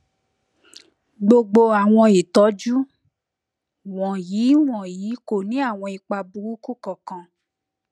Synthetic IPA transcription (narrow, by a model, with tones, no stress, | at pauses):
ɡ͡bo˧ɡ͡bo˧a˨w̃ɔ̃˧i˨tɔ˨˦d͡ʒu˦ | w̃ɔ̃˨jiː˨˦w̃ɔ̃˨jiː˨˦ko˨nĩ˨˦a˦˨w̃ɔ̃˧i˧k͡pa˧bu˨ɾu˦ku˦kɔ˨kã˧